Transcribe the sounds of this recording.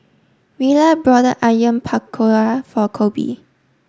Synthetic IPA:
wilabɹɔdəʔajə̃mpʰakʰːoɹafɔkʰobḭ

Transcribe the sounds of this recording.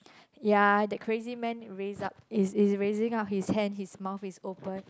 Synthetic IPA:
jadɛkʰɹezimɛ̃nɹezap̚isisɹezĩŋap̚hishɛ̃nhismaʊθisopə̃n

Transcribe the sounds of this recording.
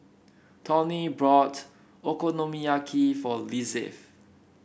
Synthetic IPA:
tʰɔ̃nibɹɔt | okonomiakʰifɔlisɛ̰f

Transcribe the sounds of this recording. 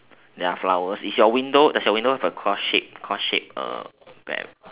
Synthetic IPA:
dɛaflawəsifjɔwĩndodɛsjɔwĩndohɛvəkʰɔsʃip̚kʰɔsʃip̚ə̰b̥ɛ̰

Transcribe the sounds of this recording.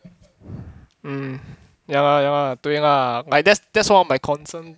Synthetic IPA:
jaŋajãŋat̪uẽŋalaj̚dɛsd̥ɛtswamajkʰɔ̃nsən

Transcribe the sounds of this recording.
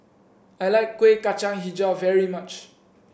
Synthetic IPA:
ajlaɪkːwekat͡ʃãŋɦid͡ʒavɛɹimat͡ʃ

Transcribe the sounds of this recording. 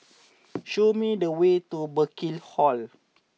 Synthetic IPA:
ʃomidəwetubəkilhɔl

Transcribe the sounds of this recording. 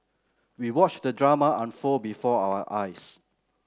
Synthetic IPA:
wiwɔt͡ʃdədɹamaʔãnfobifɔawəʔajs

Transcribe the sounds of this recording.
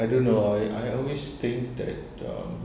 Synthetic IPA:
ajdõnːoajʔa̰jɔlwest̪ɪ̃ŋk̚d̪ɛ̰t̚ʌ̰

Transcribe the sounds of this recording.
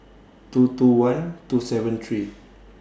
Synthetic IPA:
t̪ut̪uwãnt̪usɛvɛ̃nt̪ʰɹi

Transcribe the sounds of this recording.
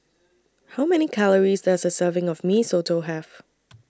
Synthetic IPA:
haʊmɛnikʰaləɹizdɛzəsɜːvɪ̃ŋɔvmisotʰoɦæv

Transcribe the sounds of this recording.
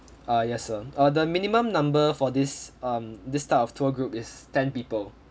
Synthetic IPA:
ajɛsːəadəmĩnimə̃mnãmbəfɔdisʌ̃mdistatɔftʰəɡɹupɪstɛ̃npiːpəl

